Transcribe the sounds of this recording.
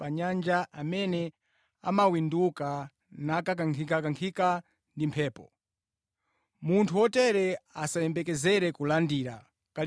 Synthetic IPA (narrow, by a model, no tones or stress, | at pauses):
paɲand͡ʒaʔamɛnɛ | amawinduka | nakak̬aŋkʰikakaŋkʰika | ndimpʰɛːpɔ | muntʰuɔtɛɾɛasajɛmbɛkɛzɛɾɛkulandiɾa | ka